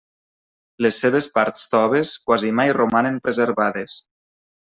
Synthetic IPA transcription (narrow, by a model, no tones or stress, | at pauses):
lesːeβespaɾt̪st̪ɔβeskwazimajromanempɾezeɾβaðes